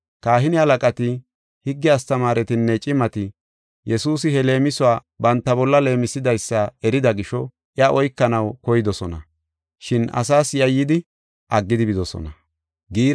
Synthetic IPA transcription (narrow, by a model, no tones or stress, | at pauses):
kaːɦɪnɪhɐlɐkʼɐt̪ɪ | hɪɡːɪast̪ɐmaːɾɛt̪ɪnːɛt͡ʃʼɪmɐt̪ɪ | jʔɛsuːsɪhɛle̞ːmɪsʊaː | bɐnt̪ːɐbɔlːɐle̞ːmɪsɪd̪ɐjsːɐɛɾɪd̪ɐɡɪʃɔ | ʔɪaʔɔjkːɐnɐwkɔjɪd̪ɔsɔnɐ̰ | ʃɪnɐ̰saːsjɐjːɪd̪ɪ | ʔɐɡːɪd̪ɪbɪd̪ɔsɔ̰nɐ | ɡiːɾ